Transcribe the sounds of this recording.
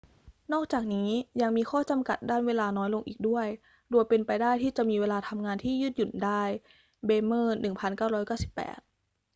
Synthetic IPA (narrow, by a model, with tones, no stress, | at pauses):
nɔː˥˩k̚t͡ɕaː˨˩k̚niː˦˥ja˧ŋmiː˧xʰɔː˥˩t͡ɕa˧mka̰˨˩t̪̚daː˥˩nweː˧laː˧nɔː˦˥jlo˧ŋʔḭː˨˩k̚du˥˩əj | doː˧jpe˧npa˧jdaː˥˩jt̪ʰiː˥˩t͡ɕa˨˩miː˧weː˧laː˧t̪ʰa˧mŋaː˧nt̪ʰiː˥˩jɯː˥˩t̪̚ju˨˩ndaː˥˩j | beː˧mɤː˥˩nːɯ˨˩ŋpʰa˧nkaː˥˩wɾɔː˦˥jka˥˩wsi˨˩pːɛ̰ː˨˩t̪̚